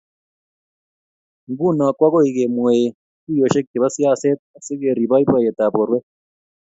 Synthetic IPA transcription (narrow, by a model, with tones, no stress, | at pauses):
ŋɡu˦˨na˨kwa˦ɣo˦i˨ɣe˨mwe˨ | ki˦jo˨ʃe˦ke˨βa˦sja˦˨se˦t̪̚a˨si˦ɣe˨ɾi˨βa˦i˦bwa˨je˨t̪a˨βo˨ɾwe˦